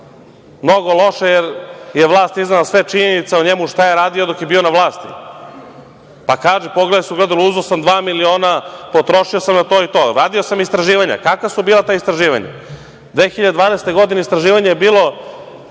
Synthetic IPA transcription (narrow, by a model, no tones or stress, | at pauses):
mno̞ɡo̞lˠo̞ʃajeɾjeʋlˠaːst̪iznalasʋe̞t͡ʃiɲenit̪seuɲemuʃt̪ajeɾaːd̪io̞d̪o̞kjebiːo̞naʋlˠaːst̪ḭ | pakaːʒɛpoɡled̪asuɡled̪aluuzosamd̪ʋaːmilio̞ːnapo̞t̪ɾo̞ʃiosamnat̪o̞ːit̪o̞ːɾaːd̪iosamist̪ɾaʒiːʋaɲa̰kakʋasubiːlˠat̪oːist̪ɾaʒiːʋa̰ɲa̰ | d̪ʋeːxiʎad̪ed̪ʋaːnest̪e̞ɡo̞d̪ineist̪ɾaʒiːʋaɲejebiːlˠo̞